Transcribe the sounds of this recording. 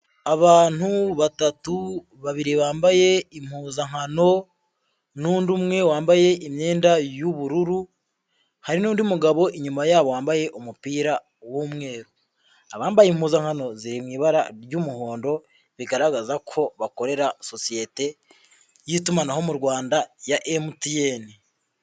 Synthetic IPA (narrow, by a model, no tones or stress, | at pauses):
aβaːn̥uβatatu | βaβiɾiβaːmbaje̞im̥huːzaŋ̥ano̞ | nuːndumŋe̞waːmbaje̞imɲe̞ːndajuβuɾuɾu | haɾinuːndiumuɡaβo̞ʔiɲumajaːβowaːmbaje̞ʔomupiːɾa | womŋe̞ːɾu | aβaːmbajemhuːzaŋ̥ano̞ziɾimŋiːβaɾa̰ɾjumuho̞ːndo̞ | βiɡaɾaɡazakʰo̞βako̞ɾe̞ɾaso̞sije̞te̞ | jitumanaho̞muɾwaːndajaʔemutijeni